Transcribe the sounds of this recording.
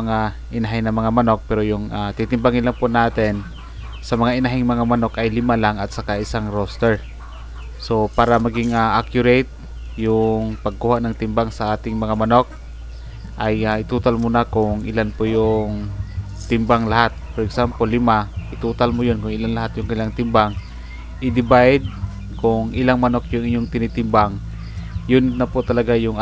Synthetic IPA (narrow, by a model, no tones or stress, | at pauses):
ŋaʔɪnaɦɪjnɐmɐŋamanok̚pɛɾojʊŋat̪it̪ɪmbaŋɪnlaŋpʊnaːt̪ɪn | sɐmɐŋaʔɪnaɦɪŋmɐŋamanokʔajlɪmalaŋat̪̚sakaʔɪsaŋɾost̪ɛɹ | sopaːɾamaɡɪŋaʔakjʊɾejt̪̚ | jʊŋpaɡ̚kuhaʔnaŋt̪ɪmbaŋsaʔaːt̪ɪŋmɐŋamanok̚ | ʔajaʔɪt̪uːt̪almʊnakʊŋʔɪlanpʊjʊŋ | t̪ɪmbaŋlahat̪̚poɾɛɡsampolɪmaʔɪt̪uːt̪almʊjonkʊŋɪlanlaɦat̪jʊŋkɐnɪlaŋt̪ɪmbaŋ | ʔɪd̪ɪbajd̪̚ | kʊŋʔɪlaŋmɐnokjʊŋʔɪɲːoŋt̪ɪnit̪ɪmbaŋ | jʊnnapʊt̪ɐlɐɡajʊŋ